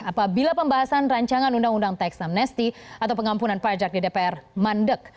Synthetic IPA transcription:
apabilapəmbaɦasanraɲt͡ʃaŋanundaŋundaŋt̪ajksamnɛst̪iat̪awpəŋampunanpad͡ʒak̚didepeɛrmandək̚

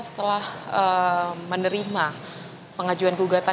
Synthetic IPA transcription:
sə̥t̪əlahəmənəɾima | pəŋad͡ʒuanɡuɡat̪a

